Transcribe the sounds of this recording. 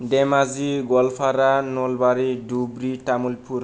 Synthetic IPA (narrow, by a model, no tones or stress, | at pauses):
ɖɛmaziɡɔlpʰaɾanɔlbaɾiɖubɾiʈamulpuɾ